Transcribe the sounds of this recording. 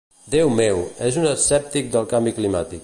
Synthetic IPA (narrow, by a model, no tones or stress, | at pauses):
d̪ewmewɛzunəsɛp̚t̪ik̚d̪əlˠkambiklimat̪ik